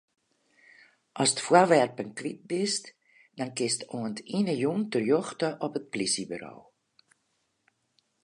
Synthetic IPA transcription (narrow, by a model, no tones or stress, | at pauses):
ʔɔstfərʋɛrpənkʋit̚bɪst | dankɪstuəntʰinəjuntərjɔxtəʔɔpət̚plisibərɔ̰w